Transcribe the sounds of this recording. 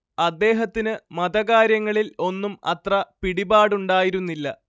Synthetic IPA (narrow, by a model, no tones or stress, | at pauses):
ɐd̪ːe̞ːɦɐt̪ːinɨmɐd̪ɐɣaːɾjɐŋːɐɭilo̞nːumɐ̰t̪rɐpiɽibaːɽuɳɖaːjiɾunːilːɐ